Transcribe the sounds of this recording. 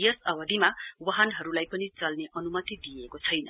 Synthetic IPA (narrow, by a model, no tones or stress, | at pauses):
jʌsʌbʌd̪ʱimawʌɦanɦʌɾulajpʌnit͡sʌlneʔʌnumʌt̪id̪ijekot͡sʰʌjnʌ̰